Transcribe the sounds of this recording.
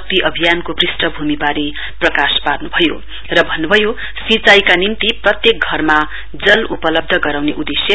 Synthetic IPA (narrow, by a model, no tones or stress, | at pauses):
k̚t̪iʔʌbʱijankobrisʈʌbʱumibaɾe | prʌkaspadnubʱʌjo̰ | rʌbʱʌnːubʱʌjo | sit͡sajkanint̪iprʌt̪jek̚ɡʱʌrma | d͡zʌlupʌlʌb̚d̪ʱʌɡʌɾawneʔud̪esjʌ